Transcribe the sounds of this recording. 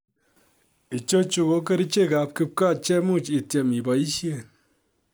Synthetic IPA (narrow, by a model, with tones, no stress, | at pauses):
i˨t͡ʃo˦t͡ʃu˨ko˦ke˦ɾi˦t͡ʃe˦ka˨p̚kɪ˦p̚ka˦˨t͡ʃɛ˦mu˦˨t͡ʃi˨tje˨mi˨ba˨i˦ʃje˦˨n